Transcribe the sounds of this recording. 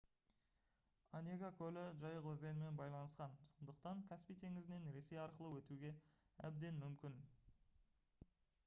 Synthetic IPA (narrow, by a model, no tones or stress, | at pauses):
anʲeɡakʲʰɵlɪʒɑjəqɵzd̪enɪme̞nbɑjlˠɑnəsqɑnso̞nd̪əqt̪ɑŋkʲʰæspijt̪ʰe̞ŋɪzɪne̞nɾe̞se̞jɑɾqəlˠəwɵt̪uɡʲe̞æ̰b̚d̪e̞nmʏmkʲɪn